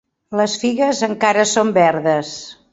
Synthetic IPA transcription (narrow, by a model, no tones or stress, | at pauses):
ləsfiɣəzəŋkaɾəsombɛɾðəs